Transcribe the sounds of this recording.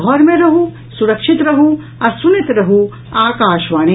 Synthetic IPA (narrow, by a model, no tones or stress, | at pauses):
ɦɔːɾmẽɾɐɦu | suɾɐkʃɪt̪ɾɐɦu | ɐsunit̪ɾɐɦu | aːkaːʃʋaːni